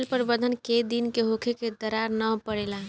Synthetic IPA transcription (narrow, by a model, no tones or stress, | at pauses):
lpəɾbəd̪ʱənked̪inkeɦokʰeked̪əɾaɾnəpəɽela